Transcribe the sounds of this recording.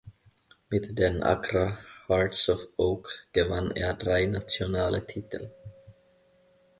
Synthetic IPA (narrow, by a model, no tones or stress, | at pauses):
mɪd̪d̪ɛnʔa̰kɾahɑːɾʈsɔfoːkɡ̥əvanːɛdɾajnat̪ʊnɑːlʔət̪ʰit̪ʰə̰l